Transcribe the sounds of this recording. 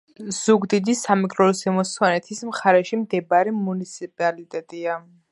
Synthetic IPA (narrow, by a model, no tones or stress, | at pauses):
z̥uɡd̪id̪isamikʼɾɔlsɛmɔswanɛt̪ʰismχaɾɛʃimd̪ɛbaɾimunit̪sʰipʼalit̪ʼɛt̪ʼia